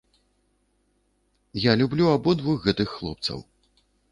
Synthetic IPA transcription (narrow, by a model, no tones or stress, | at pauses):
jalʲublʲuabɔd̪vuxɣɛt̪ɨxːlˠɔ̰p̚t̪sɐ̰w